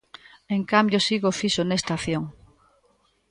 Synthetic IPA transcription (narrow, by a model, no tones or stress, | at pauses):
eŋkambjosiɣofisonest̪aθjoŋ